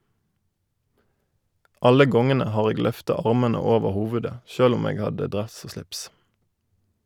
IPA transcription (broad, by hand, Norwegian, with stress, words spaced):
ˈɑlə ˈɡɔŋənə ˈhɑːʁ ˈeːɡ ˈlœftɑ ˈɑʁmɛnə ˈoːʋəʁ ˈhuːʋʉdə ˈçøːl ˈʊm ˈeːɡ ˈhɑdə ˈdʁɛs ˈoː ˈʃlɪps